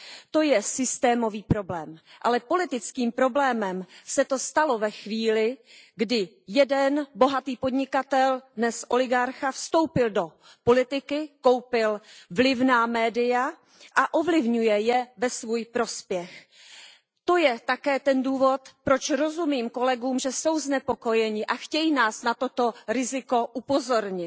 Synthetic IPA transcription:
t̪o̞jɛsɪst̪ɛːmo̞viːpɾo̞blɛːmʔalɛpo̞lɪt̪ɪt͡skiːmpɾo̞blɛːmɛmsɛt̪o̞st̪alo̞vɛxviːlɪɡdɪ | jɛdɛnbo̞ɦat̪iːpodɲɪkat̪ɛldnɛsʔo̞lɪɡaɾxafst̪o̞wpɪldo̞ | po̞lɪt̪ɪkɪko̞wpɪlvlɪvnaːmɛːdɪja | ʔaʔovlɪvɲujɛjɛvɛsvuːjpɾo̞spjɛx | t̪o̞jɛt̪akɛːt̪ɛnduːvo̞t̪pɾo̞t͡ʃɾo̞zumiːmko̞lɛɡuːmʒɛso̞wznɛpo̞ko̞jɛɲɪʔaxcɛjinaːsnat̪o̞t̪o̞ɾɪzɪko̞ʔupo̞zo̞ɾɲɪt̪

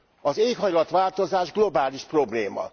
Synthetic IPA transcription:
ɒzeːkɦɒjlɒt̪ʋaːlt̪o̞zaːʒɡlo̞baːliʃpro̞bleːmɒ̰

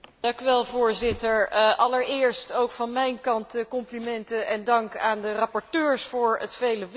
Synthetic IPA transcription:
dɑŋkyʋɛlˠvʊːɹzɪtəɹʔɑləɹɪːɹstowkfɑnmɛjnkɑntəkɔmplimɛntəʔɛndɑŋkaːndərɑpɔɹtøːɹsfʊːɹətfejləʋ

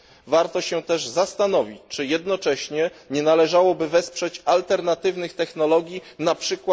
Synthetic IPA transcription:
vaɾt̪ɔɕɛt̪ɛʐzast̪an̪ɔvʲit͡ɕt͡ʂɘjɛd̪nɔt͡ʂɛɕɲɛɲɛnalɛʐawɔbɘvɛspʂɛt͡ɕalt̪ɛɾnat̪ɘvnɘxt̪ɛxnɔlɔɡʲjinapʂɘkwa

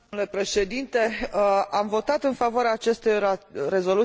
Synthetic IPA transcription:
le̞pɾe̞ʃe̞d̪int̪e̞amvo̞t̪at̪ɨnfavoaɾeaːt͡ʃe̞st̪ojrare̞zo̞lu

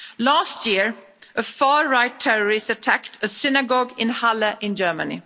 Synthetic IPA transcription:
læstʰjɪɹ | ʔəfɑːɹaɪtʰɛɹəɹɪstətʰæktʰəsɪnəɡɔɡɪ̃nhaləʔɪ̃nd͡ʒɜːmənɪ̰

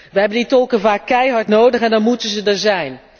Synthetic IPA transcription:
ʋəɦɛbənditɔlˠkənvaːkːɛjɦɑɹtnowdəχɛndɑnmutənzədəɹzɛjn

